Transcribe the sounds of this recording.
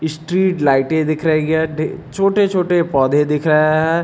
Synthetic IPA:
ɪsʈɾiːʈlaːɪʈẽd̪ɪkʰɾɐɦeɡɛɖʱet͡ʃʰoːʈet͡ʃʰoːʈepɔːd̪ʱẽd̪ɪkʰɾɐɦaɦɛː

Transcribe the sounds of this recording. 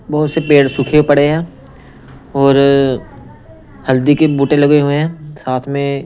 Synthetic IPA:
bɐɦʊt̪sepeːɽsʊkʰepɐɽeɛ̃ː | ɔːɾ | hɐld̪ikebuːʈẽlɐɡeɦuẽɦɛ̃saːt̪ʰmẽ

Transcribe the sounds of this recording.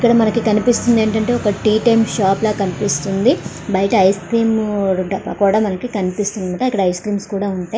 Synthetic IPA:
ikːɐɽɐmɐnɐkikɐnipist̪und̪e̞ːɳʈɐɳʈe̞ːɔkɐʈiːʈemʃaːplaːkɐnipist̪und̪i | bɐjɐʈɐɐjskɾiːmɖɐpːɐkuːɽaːmɐnɐkikɐnipist̪und̪imaːʈɐikːɐɽɐɐjskɾiːmskuːɽaːuɳʈaːj

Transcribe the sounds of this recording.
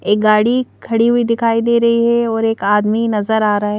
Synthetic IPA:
eːk̚ɡaːɽikʰɐɽiɦuid̪ɪkʰaːid̪eːɾɐɦiɦɛɔːɾeːkaːd̪minɐzəɾaːɾɐaɦɛ

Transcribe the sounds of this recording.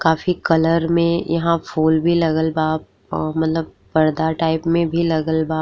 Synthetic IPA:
kaːfikɐləɾmẽjɐ̰ɦãfuːlbʱilɐɡəlbaːp | mɐt̪ləb̚ | pɐɾd̪aʈaːɪpmẽbʱilɐɡəlbaː

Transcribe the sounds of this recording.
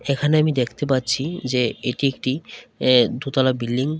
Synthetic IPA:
ekʰaneamid̪ekʰt̪epatːɕʰid͡ʑeeʈiek̚ʈi | d̪ut̪alabilːiŋ

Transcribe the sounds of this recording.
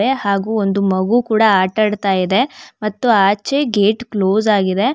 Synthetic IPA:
ehaːɡuːond̪umɐɡukuːɽɐaːʈɐɽt̪aːjid̪e̞mɐt̪ːuaːt͡ʃeɡeːʈkloːzaːɡid̪e̞

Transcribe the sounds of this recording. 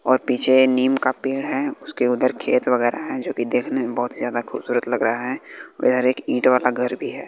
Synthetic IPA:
ɔːɾpiːt͡ʃʰeniːmkapiːɽɦɛʊskeʊd̪əɾkʰeːt̪ʋəɡɛːɾa̰ɦɛd͡ʒoːkid̪eːkʰnebɔɦt̪zjaːd̪axʰʊb̥suːɾət̪lɐɡɾəɦaɦɛ̰ɪd̪ʱəɾeːkĩːʈʋaːlaɡʱɐɾbʱiɦɛː

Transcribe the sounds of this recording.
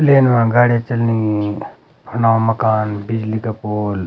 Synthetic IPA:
leːnʋãɡaːɽiat͡ʃɐlni | pʰɐnaːmɐkaːnbid͡ʒlikapoːl

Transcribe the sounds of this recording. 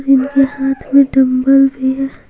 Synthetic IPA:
ɾɪnkehaːt̪ʰmẽɖɐ̃mbəlbeja

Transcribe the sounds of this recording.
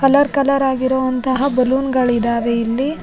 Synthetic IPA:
kɐlɐɾkɐlɐɾaːɡiɾoʋɐnt̪ɐɦɐbɐluːnɡɐɭid̪aːʋeilːi

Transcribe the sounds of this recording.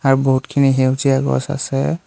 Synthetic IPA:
aɹuboɦutkʰiniɦewziaɡɔ̰sa̰sɛ

